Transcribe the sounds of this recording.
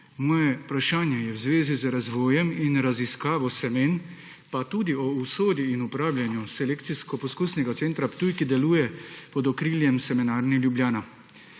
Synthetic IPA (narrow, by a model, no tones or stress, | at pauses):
mɔːjɛupɾaʃaːnjɛjɛwzʋeːzizɾazʋɔːjɛminɾaziskaːʋɔsɛmeːn | pat̪uːd̪iɔusoːd̪jiinupɾaːwlʲjanjusɛleːkt̪siskɔpɔskuːsnɛɡat̪seːnt̪ɾapt̪uːjkid̪ɛluːjɛpɔd̪ɔkɾiːljɛmsɛmɛnaːɾnilʲjubljaːna